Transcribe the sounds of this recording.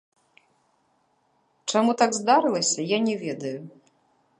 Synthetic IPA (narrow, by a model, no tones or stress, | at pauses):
t͡ʂamut̪aɡzd̪aɾɨlˠɐsʲɐjanʲɛvʲɛd̪ɐju